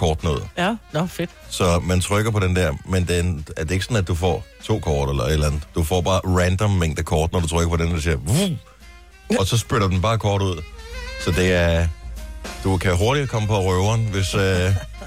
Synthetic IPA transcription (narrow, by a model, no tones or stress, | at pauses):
kʰɒːd̥noð̰ˠnfed̥sɒ̽mænt͡sʰʁœɡ̥ɐpʰɒ̽ɾend̥ɛɐ̰mend̥enæɐd̥e̝eɡ̥sɒ̽nædd̥ːufɒ̰ːt͡sʰo̝̰ːkʰɒːd̥elɐe̝d̥lænð̩ˠd̥ufɒ̰ːb̥ɑ̈ːʁænd̥ɒmːeŋ̰d̥əkʰɒːd̥nɒdut͡sʰʁœɡ̥ɐpʰɒ̽denɒdisiɐʋu | ɒ̽sɒ̽sb̥øɾɐd̥enb̥ɑ̈ːkʰɒːɾ̥uð̞̰ˠsɒ̽d̥e̝æɐ | d̥ukʰæɦo̝ɐɾ̥i̥kʰɒ̽məpʰɒ̽ʁœʊɐnʋe̝sø